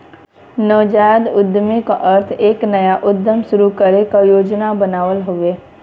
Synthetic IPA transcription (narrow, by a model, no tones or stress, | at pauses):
nɔːd͡ʒaːjd̪ʊd̪mika̰ʔəɾt̪ʰeːknɐjaʔʊd̪ʱjəmʃʊɾukəɾekajoːd͡ʒnabənaːʋəlɦoʋeː